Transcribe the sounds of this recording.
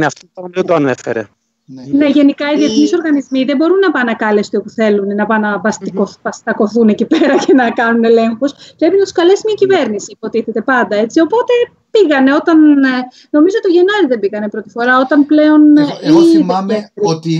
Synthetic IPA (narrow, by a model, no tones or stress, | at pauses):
neɐft̪ot̪onðed̪oɐnefḛɾḛ | ne̞ʝe̞nikɐiðie̞θniso̞ɾɣɐnizmiðe̞bo̞ɾunːɐpɐnɐkɐlest̪eopuθe̞lunnɐpɐnɐpɐst̪ikopɐst̪ɐko̞θune̞cipeɾɐce̞nɐkɐnune̞le̞ŋxospɾe̞pinɐt̪u̥skɐle̞simɲɐcive̞ɾnisipo̞t̪iθe̞t̪e̞pɐnd̪ɐe̞t͡sio̞po̞t̪e̞ | piɣɐne̞o̞t̪ɐn | no̞mizoot̪ioʝenɐɾiðembiɣɐne̞pɾo̞t̪i̥fo̞ɾɐo̞t̪ɐmple̞o̞n | et̪i